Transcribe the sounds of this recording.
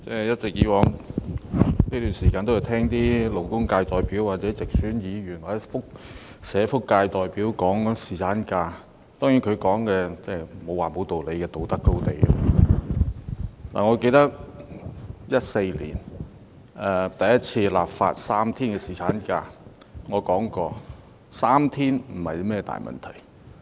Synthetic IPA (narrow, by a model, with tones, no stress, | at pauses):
t͡sɛ˥˩jɐ˥t̚t͡sɪ˨k̚jiː˨˥wɔː˨˥ŋ | niː˥t̪yː˨˩nsiː˨˩kaː˧nt̪o˥jːwt̪ʰɛː˥ŋt̪iː˥lo˨˩wkʊ˥ŋkaː˧jt̪ɔː˨˩jpiː˨˥wwaː˨t̚t͡sɛː˨˥t͡sɪ˨k̚syː˨˥njiː˨˧ɥyː˨˩nɔː˨˩˥fʊ˥k̚ | sɛː˨˧fʊ˥kːaː˧jt̪ɔː˨˩jpiː˨˥wkɔː˨˥ŋsiː˨˩t͡sʰaː˨˥nkaː˧ | t̪ɔː˥ŋji˨˥nkʰɵ˨˧kɔː˨˥ŋkɛː˧t͡sɛː˥˩mo˨˧waː˨˩mo˨˧wt̪o˨wle˨˧jkɛː˧t̪o˨wt̪ɐ˥kːo˥wt̪e˨j | la̰ː˨˩ŋɔː˨˧ke˧jt̪ɐ˥k̚ | jɐ˥t̚se˧jlḭː˨˩n | ɛ˨˩t̪ɐ˨˩jɐ˥t̚t͡sʰiː˧la̰ː˨p̚fa̰ː˧t̚saː˥mt̪ʰiː˥nkɛː˧siː˨˩t͡sʰaː˨˥nkaː˧ | ŋɔː˨˧kɔː˨˥ŋkɔː˧ | saː˥mt̪ʰiː˥nm̩˨˩hɐ˨jwmɛː˥˧t̪a̰ː˨jmɐ̰˨nt̪ʰɐ˨˩j